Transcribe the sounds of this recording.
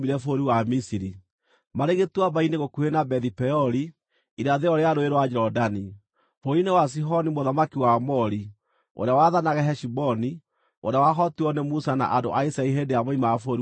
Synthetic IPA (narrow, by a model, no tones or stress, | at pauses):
miɾɛfoɾiwamisiɾi | maɾeɣetwabaineɣokuenabɛðipɛɔɾi | iɾaðeɔɾeaɾoeɾwad͡ʒɛɾɔdani | foɾinewas̬iɦɔnimoðamakiwamɔɾi | o̰ɾeawaðanaɣɛɦɛʃibɔni | o̰ɾawaɦɔtiɔnɛmusana̰ʔadoʔaisaiɦendejamɔimaafoɾi